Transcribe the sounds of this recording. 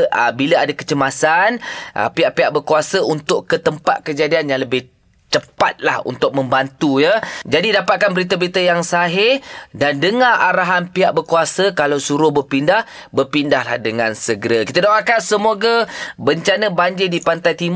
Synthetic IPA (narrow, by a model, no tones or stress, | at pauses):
ʔəbiləadakə̥t͡ʃəmasanʔə̰piaʔpiaʔ̚bərkuasəʔunt̪ʊʔkət̪əmpa̰t̪̚kəd͡ʒadianjaŋləbɪh | t͡ʃəpa̰t̪̚la̰hṵnt̪ʊk̚mə̃mbant̪ujəd͡ʒadidapat̪̚kanbəɾit̪̬əbəɾit̪əjaŋsaɦɪdandəŋãʔaɾaɦanpiaʔ̚bərkuasəkalawsuɾʊhbərpindah | bərpindahlahdəŋansəɡəɾaki̥t̪ədaakansəmoɡabəɲt͡ʃanəbaɲd͡ʒɪdipant̪ajt̪im